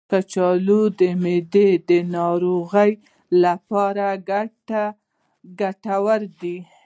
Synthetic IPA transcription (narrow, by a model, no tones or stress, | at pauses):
kat͡ʃɑlod̪əmed̪ed̪ənɑɾoɣəj | lapɑɾaɡaʈa | ɡaʈawəɾd̪i